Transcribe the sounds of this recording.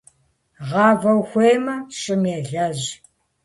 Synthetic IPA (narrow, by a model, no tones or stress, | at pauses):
ʁɑːvɐwxʷeːjmɐɕʼɪneːɮɐʑ